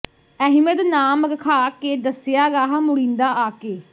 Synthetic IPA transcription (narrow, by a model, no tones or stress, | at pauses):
ɛɦɪmət̪naːmɾəkʰaːkeːd̪əsɪjaːɾaːɦmʊɽĩːnd̪aːʔaːkeː